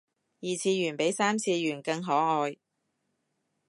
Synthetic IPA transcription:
jiː˨˩t͡sʰiː˧jyː˨˩npe˨˥jsaː˥mt͡sʰiː˧jyː˨˩nkɐ˧ŋɦɔː˨˥ŋɔː˧j

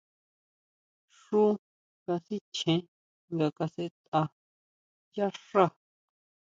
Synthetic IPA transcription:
ʂu˦ | ɡa˧si˦t͡ʃʰẽ˧ | ŋɡa˧ka˧se˧t̪ʼa˧ | ja˦ʂa˦˨

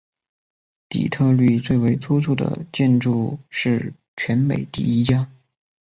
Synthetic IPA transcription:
t̪ḭ˨˩t̪ʰɤ˥˧ly˥˧t͡swe˥˩ɪwe˧˥ɪt͡sʰu˥t͡sʰu˥˩d̪ə̰˩t͡ɕjɛ˥˧nʈ͡ʂu˥˧ʂɻ̩˥˩ | t͡ɕʰɥɛ˧˥nme˨˩ɪt̪ḭ˥˩i˥t͡ɕja˥

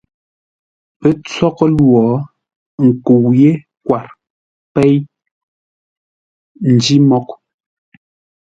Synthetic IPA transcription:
pɛ˨t͡sɔ˦kɔ˦lwɔ˨˦ | ŋ̩˨ku˨wje˦ | kwa˨ɾ | pɛ˦j | n̩˨di˦mɔ˦k̚

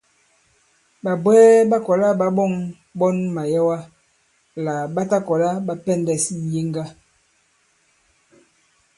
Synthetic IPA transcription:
ba˨bwɛː˦ba˦kɔ˨la˦ba˦ɓɔ˦˨ŋ | ɓɔ˦nma˨jɛ˦wa˦ | la˨ɓa˦ta˦kɔ˨la˦ɓa˦pɛ˦˨ndɛ˨sn̩˦ji˦ŋɡa˦

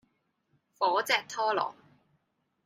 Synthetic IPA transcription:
fɔː˨˥t͡sɛː˧k̚t̪ʰɔː˥lɔ̰ː˨˩ŋ

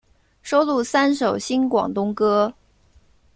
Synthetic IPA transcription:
ʂo˥ʊlu˥˩sa˥nʂo˨˩ʊɕi˥nkwɑ̰˨˩ŋt̪ʊ˥ŋkɤ˥

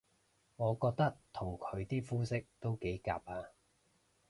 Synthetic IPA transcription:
ŋɔː˨˧kɔː˧k̚t̪ɐ˥k̚t̪ʰʊ˨˩ŋkʰɵ˨˧ɥt̪iː˥fuː˥sɪ˥k̚t̪o˥wke˨˥jka̰ː˧p̚aː˧

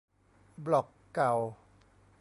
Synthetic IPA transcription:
blɔ˨˩kːa˨˩w | p

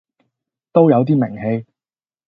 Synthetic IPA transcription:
t̪o˥wjɐ˨˧wt̪̬iː˥mɪ̰˨˩ŋhe˧j

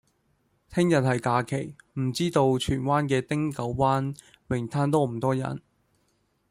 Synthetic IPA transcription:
t̪ʰɪ˥ŋjɐ˨t̚hɐ˨jkaː˧kʰe˨˩jm̩˨˩t͡siː˥t̪o˧wt͡ʃʰyː˨˩nwaː˥nkɛː˧t̪ɪ˥ŋkɐ˨˥wwaː˥n | wɪ˨˩ŋt̪ʰaː˥nt̪ɔː˥m̩˨˩t̪ɔː˥jɐ̰˨˩n

